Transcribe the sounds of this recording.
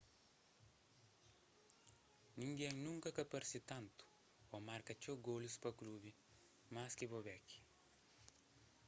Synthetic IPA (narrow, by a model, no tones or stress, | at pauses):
nʲɪŋʲɡʲiɛŋnʲuŋkɐkɐpɐɾʲsʲɪt̪ɐnt̪u̥ | oːmaɾkɐt͡ʃʲoɡoːlʲʊspɐklʲuːʋʲi | maːsʲkʲeʋoʋʲækʲi̥